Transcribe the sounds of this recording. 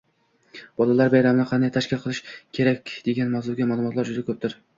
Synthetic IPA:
b̥ɒlˠalaɾbajɾamɪnɪqʰɑnd̪ajt̪ʰaʃkʲɪlˠqʰɨlˠɪʃkʲʰe̞ɾakʲd̪e̞ɡʲanmawzuɡʲamaːlˠʊmɒt̪laɾd͡ʒʊd̪akʰɵp̚t̪ʰɪɾ

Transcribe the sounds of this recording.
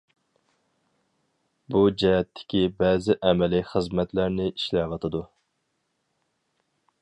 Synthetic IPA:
bud͡ʒɛɦɛt̪ʰːɪ̥kʲibɛzɪʔɛmɛliχəzmɛt̪læɾnɪiʃlɛʋɑt̪ʰɨd̪u

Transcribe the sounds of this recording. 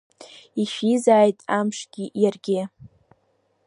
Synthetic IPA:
iʃizaːjtʼamʂɡ̥ʲɪjarɡʲɪ

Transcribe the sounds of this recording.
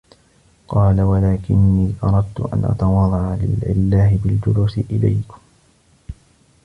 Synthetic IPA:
qɑːlawalaːkɪnːiːʔɑɾˤɑd̪̚t̪ʊʔa̰nʔa̰t̪ɑwɑd̪ˤɑʕalɪ̰lʕɪ̰lːaːhɪbɪld͡ʒʊluːsɪʔɪla̰jkʊ̥m

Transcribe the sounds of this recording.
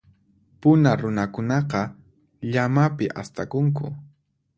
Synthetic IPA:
pʊnaɾʊnakʊnɑqɑ | ʎamapɪʔa̰st̪akʊŋkʊ̰

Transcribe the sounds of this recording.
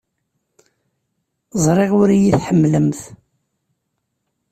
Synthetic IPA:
zˤɾˤɪʁʊɾijiθħəmːləmθ

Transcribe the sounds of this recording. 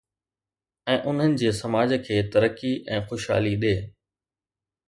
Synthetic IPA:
ɛ̃ːʔʊn̤ənɪ̆d͡ʑeːsɐmaːd͡ʑkʰeːt̪ɐɾəkːiʔɛ̃ːxoʃɦa̰ːliɗeː

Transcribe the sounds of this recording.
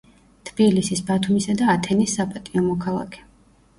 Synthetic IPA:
t̪ʰb̥ilisisbat̪ʰumisad̪aːt̪ʰɛnisːapʼat̪ʼiɔmɔkʰalˠa̰kʰɛ̥

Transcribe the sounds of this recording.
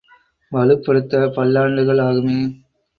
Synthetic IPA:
ʋɐlɯpːɐɽɯt̪ːɐpɐɭːaːɳɖɯɣɐɭaːɣɯmeː

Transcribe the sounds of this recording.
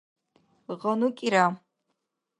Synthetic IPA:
ʁɐnukʼiɾa

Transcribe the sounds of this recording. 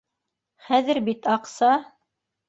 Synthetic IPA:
χæðɘ̆ɾbit̪ɑqsɑ

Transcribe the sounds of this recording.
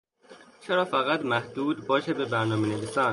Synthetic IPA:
t͡ʃʰeɾɒːfæɣæt̪mæhd̪̥uːd̪bɒːʃebebæɾnɒːmenevisæːn

